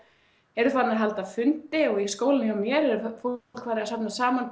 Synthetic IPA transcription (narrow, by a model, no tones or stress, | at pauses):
ɛɾʏθvanaɦalt̪afʏnt̪ɪɔɣiskoːwlɪnɪʏmjɛɾɛɾʏfo̥kʰvaːɾɪasapnasaːman